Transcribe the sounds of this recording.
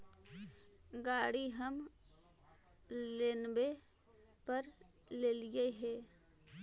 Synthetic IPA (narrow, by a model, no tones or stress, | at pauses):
ɡaːɽiɦəm | leːnbe | pəɾ | leːlijeɦɛː